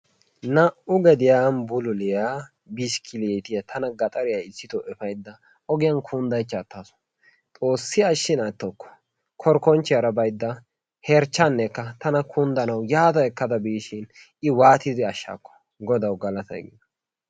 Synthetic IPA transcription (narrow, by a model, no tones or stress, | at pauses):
nɐʔʊɡɛd̪ɪjambʊlʊlɪja | bɪʃkʰɪleːt̪ɪjɐt̪ʰɐnɐɡɐt̪ʼɐɾɪjaɪsːɪt̪ɔʔɛfɐjd̪ːɐ | ɔɡɪjɐnkʰund̪ɐjt͡ʃːɐt̪ːaːsɔ̥ | t̪ʼo̞ːsːɪɐʃːɪnɐt̪ːokːɔ̥ | kʰɔɾkːɔnt͡ʃːɪjɐɾɐbɐjd̪ːɐ | hɛɾt͡ʃːanːɛkːɐt̪ɐnɐkʰʊnd̪ɐnɐwjaːt̪ɐɛkːɐd̪ɐbiːʃɪn | ɪwaːt̪ɪzɪɐʃːa̰ːkːɔ̥ | ɡɔd̪ɐwɡɐlɐt̪ɐ̰j̰ɡɪ̰d̪ɐ